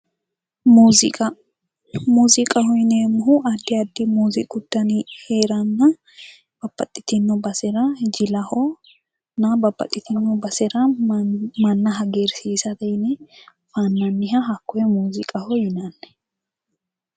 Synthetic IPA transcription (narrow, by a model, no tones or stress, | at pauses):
muzɪ | muːzɪkʼɐhɔjnɛmːʊɦʊʔɐd̪ːɪɐd̪ːɪmuːzɪ̰kʼʊd̪̥ːɐnɪheːɾɐnːɐ | b̥ɐbːɐt̪ʼːɪt̪ɪnːɔbɐsɛɾɐd͡ʒɪlɐhɔ | nɐbɐbːɐ̰t̪ʼːɪt̪ɪnːɔbɐsɛɾɐ | mɐnːɐɦɐɡeːɾsiːsɐd̪ɛjnɛ | fanːɐnːɪɦɐɦɐkːɔjɛmuːzɪkʼɐhɔjɪnɐnːɛ̥